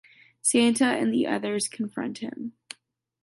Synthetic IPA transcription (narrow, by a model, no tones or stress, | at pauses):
sæ̃ntʰəʔɨ̰̃nðiʔʌ̰ðə˞z̥kʰn̩fɹʌ̰̃nt̚hɪ̰̃m